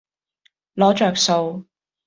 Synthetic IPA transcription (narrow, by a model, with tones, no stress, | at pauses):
lɔː˨˥t͡ʃœː˨k̚so˧w